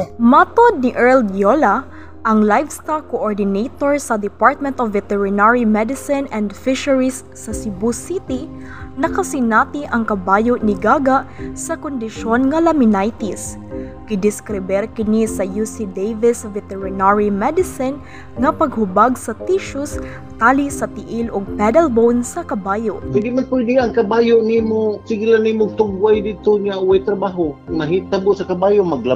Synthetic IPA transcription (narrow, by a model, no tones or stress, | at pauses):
mat̪od̪̚niʔɛɹld̪jola | ʔɐŋlajfst̪alkoʔoɹd̪ɪnejt̪oɹsɐd̪ɪpaɹt̪̚mɛnt̪ɔvːɛt̪ɛɹɪnaɹimɛd̪ɪsɪnɛ̃nd̪fɪʃɐɹisːɐsɪbusit̪i | nɐkɐsɪnat̪iʔɐŋkɐbaːjoʔnɪɡaːɡaʔsɐkond̪ɪʃonŋɐlɐmɪnajt̪is | kɪd̪ɪskɾɪbɛɾkɪnisɐjusid̪ejvɪsvɛt̪ɛɹɪnaɹimɛd̪ɪsɪn | ŋɐpɐɡhʊbaɡsɐt̪iʃʊs | t̪aːlisɐt̪ɪʔɪlʊɡ̚pɛd̪ɛlbownsɐkɐbaːjoʔpɛjd̪ɪmanpujd̪ɪʔaŋkɐbaːjoʔnimosɪɡilanːimoɡ̚t̪ʊɡwajd̪id̪̚t̪oɲauwajt̪ɾɐbaːɦomɐɦit̪abosɐkɐbaːjoʔmaɡla